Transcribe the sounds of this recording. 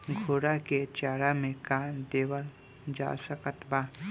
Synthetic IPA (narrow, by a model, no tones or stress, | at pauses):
ɡʱoːɽaket͡ʃaːɽamẽkaːnd̪eːwəl | d͡ʒa̰ːsəkət̪baː